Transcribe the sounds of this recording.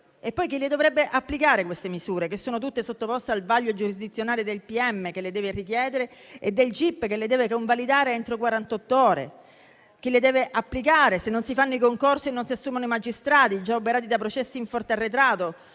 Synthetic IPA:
epːɔjk̟iled̪ovɾɛbːeʔapːlikaːɾekwest̪emizuːɾekesːoːnot̪ut̪ːesot̪ːopɔst̪ealvaʎːod͡ʒuɾizd̪it̪sːjonaːled̪elpiɛmːekelːed̪ɛːverikjɛːd̪eɾeed̪ːelt͡ʃipːkelːed̪ɛːvekoɱvalid̪aːɾeɛnt̪ɾokwaɾant̪ɔt̪ːooːɾḛ | k̟iled̪ɛːveʔapːlikaːɾesenːonsifanːoikoŋkorsinːonsiasːuːmanoimad͡ʒist̪ɾaːt̪id͡ʒaopeɾaːt̪̬id̪apɾot͡ʃɛsːiiɱfɔrt̪earːet̪ɾaːt̪o

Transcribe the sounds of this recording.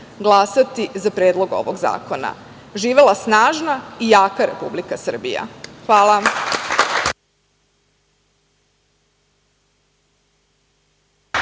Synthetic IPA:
ɡlˠasat̪izapɾeːd̪lˠo̞ɡo̞̰ʋo̰ɡza̰ːkona̰ | ʒiːʋelˠasnaːʒnaijaːkaɾe̞̰publikasr̩bḭja̰xʋaːlˠa

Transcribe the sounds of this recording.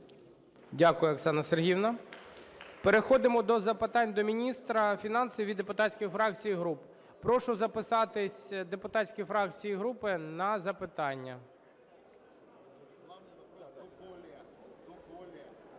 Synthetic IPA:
dʲakʊjʊɐksɑnɐserɦʲiwnɐ | peɾexɔd̪ɪmɔd̪ɔzɐpɪt̪ɑnʲd̪ɔmʲinʲist̪ɾɐfʲinɑnsʲiʋʲid̪epʊt̪ɑtʲsʲkʲɪjfɾɑk̚t͡sʲijiɦɾup | pɾɔʃʊzɐpɪsɑt̪ɪsʲd̪epʊt̪ɑtʲsʲkʲijfɾɑk̚t͡sʲijiɦɾupɪnɐzɐpɪt̪ɑnʲːɐ

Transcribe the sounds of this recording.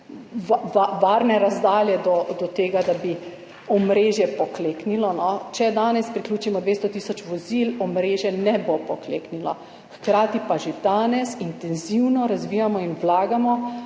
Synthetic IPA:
ʋaʋaːɾnɛɾazd̪aːljɛd̪ɔd̪ɔt̪eːɡad̪abi | ɔmɾeːʒjɛpɔkleːknilɔnɔt͡ʃɛd̪aːnɛspɾikluːt͡ʃimɔd̪ʋeːst̪ɔt̪iːsɔt͡ʃʋɔzilɔmɾeːʒjɛnɛbopɔklḛːknilɔ | xkɾaːt̪ipaʒed̪aːnɛsint̪ɛnziwnɔɾazʋiːjamɔinwlaːɡamɔ

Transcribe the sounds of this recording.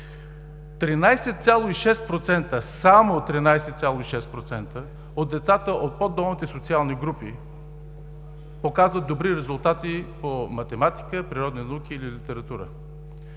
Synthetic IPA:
t̪ɾinajsɛt̪sʲjalˠoiʃɛst̪pɾot̪sɛnt̪əsamot̪ɾinajsɛt̪sʲalˠoiʃɛst̪pɾot̪sɛnt̪ə | od̪d̪ɛt̪sat̪əʔot̪̚pod̪ɔmˠmit̪ɛsot̪sialˠniɡɾupi | pokazvət̪d̪obɾiɾɛzulˠt̪at̪ipomɐt̪ɛmat̪i̥kəpɾiɾɔd̪ninɐuk̟iːlilit̪ɛɾɐt̪uɾə̰

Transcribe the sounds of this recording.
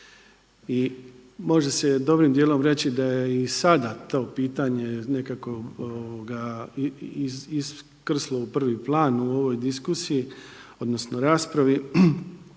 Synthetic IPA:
i | mo̞ʒese̞d̪o̞bɾimd̪jeːlo̞mɾe̞t͡ɕid̪ajeisad̪at̪o̞ːpiːt̪aɲe̞ne̞kako̞ooɡa | iis | kr̩slˠo̞upr̩ʋiplˠaːnuo̞ʋo̞jd̪iskusiji | o̞d̪no̞sno̞ɾaːspɾaʋi

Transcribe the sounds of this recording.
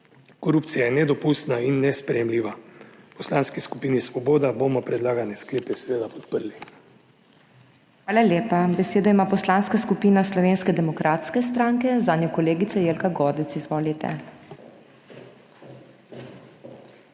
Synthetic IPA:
kɔɾuːp̚t̪sijajɛnɛd̪ɔpust̪nainːɛspɾɛjɛmliːʋapɔslaːnskiskupiːnisʋɔboːd̪abomɔpɾɛd̪laːɡanɛskleːpɛsɛʋeːd̪apɔ̥t̪pəɾli | xʋaːlalʲjeːpabɛseːd̪ɔimaːpɔslanskaskupiːnaslɔʋeːnskɛd̪ɛmɔkɾʔaːt̪skɛs̬t̪ɾaːŋkɛzaːnjɔkɔleːɡit̪sɛjeːlkaɡɔːd̪ɛt̪sizʋoːlit̪ɛ̰

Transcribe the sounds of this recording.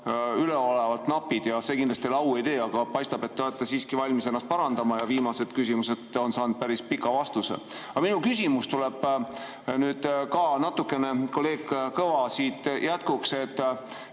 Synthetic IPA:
yleo̞le̞vɑlt̪nɑpːid̪̥jɑse̞kind̪lɑst̪ilɑwe̞jt̪e̞ːɑɡ̥ɑpɑjst̪ɑb̥e̞t̪ːeoet̪ːˑesiːskivɑlʲmise̞nːɑst̪̚pɑɾɑnd̪ɑmɑjɑviːmɑse̞d̪̥kysʲimuse̞d̪o̞nsɑːnd̪̥̚pæɾispikːˑɑvɑst̪usḛɑminukysimust̪ule̞b̥ | nyːd̪̥kɑnɑt̪ːˑukːˑe̞ne̞kolːe̞ːɡkɤvɑsiːt̪jʔæt̪kukse̞t̪ːˑ

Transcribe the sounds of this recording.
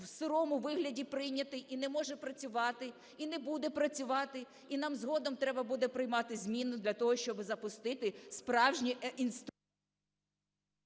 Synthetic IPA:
wsɪɾɔmʊʋɪɦlʲɐdʲipɾɪjnʲɐt̪ɪʔinɛmɔʒɛpɾɐt͡sʲʊʋɑt̪ɪ | inɛbud̪ɛpɾɐt͡sʲʊʋɑt̪ɪ | inɑmzɦɔd̪ɔmt̪ɾɛbɐbud̪ɛpɾɪjmɑt̪ɪzʲmʲinʊd̪lʲɐt̪ɔɦɔʃt͡ʃɔbɪzɐpʊst̪ɪt̪ɪspɾɑwʒnʲiinst̪

